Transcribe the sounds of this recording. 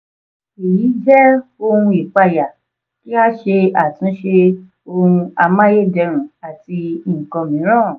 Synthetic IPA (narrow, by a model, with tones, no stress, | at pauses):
e˨ji˨˦d͡ʒɛ˦o˧hũ˧i˨k͡pa˧ja˨ | ki˦a˦ʃe˧a˨tĩ˨˦ʃe˧ | o˧ũ˧a˧mã˦je˦dɛ˧ɾ̃ũ˨a˨ti˧i˨kɔ̃˧mĩ˨˦ɾ̃ã˦˨